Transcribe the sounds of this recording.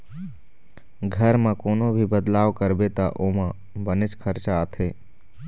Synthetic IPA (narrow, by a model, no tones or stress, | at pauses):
ɡʱəɾmãkoːnobʱibəd̪laːʋkəɾbet̪a̰ʔomã | bənɪt͡ʃkʰəɾt͡ʃaːt̪ʰeː